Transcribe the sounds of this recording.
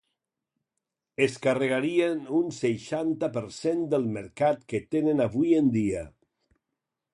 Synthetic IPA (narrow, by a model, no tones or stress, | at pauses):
eskarəɣ̞aɾienunseʃant̪apəɾsend̪əlˠməɾkat̪ket̪enənaβujend̪ia